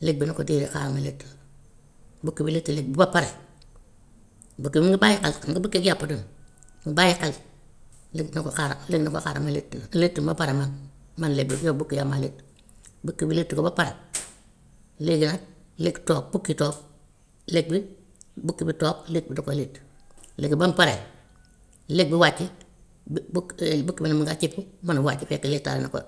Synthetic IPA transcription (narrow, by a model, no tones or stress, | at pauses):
lek̚binokodiːɾika̰ɾamaletːi | bukːibiletːilek̚bibapaɾe | bukːiimiŋɡibajikalŋɡibukːiɡijapːadun | bajikal | lik̚nokokaɾaleknoko̰kaɾamaletːiletːibapaɾaman | manlek̚bijobukːijamalet | bukːibiletːukobapaɾa | leɡinalektoːk̚bukːitɔːk | lek̚bi | bukːibitoːklek̚bidokoletːleɡibampaɾḛ | lek̚biwat͡ʃːi | bukːibanamaŋɡat͡ʃipːumanwat͡ʃːifekːalek̚tːa̰ɾḛna̰ko̰